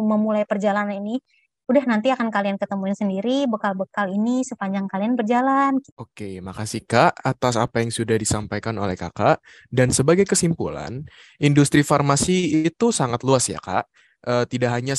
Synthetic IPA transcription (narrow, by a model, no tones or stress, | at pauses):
məmulajpərd͡ʒalananini | udahnant̪iakankaliankət̪əmunsəndiɾibəkalbəkalinisəpaɲd͡ʒaŋkalianbərd͡ʒalanokemakasikaʔat̪asapajaŋsudahdisampajkano̰lɛhka̰kaʔ | dansəbaɡajkəsimpṵla̰n | indust̪ɾifarmasiːt̪usaŋat̪luasja̰ka̰ʔ | əːt̪idaʔɦaɲa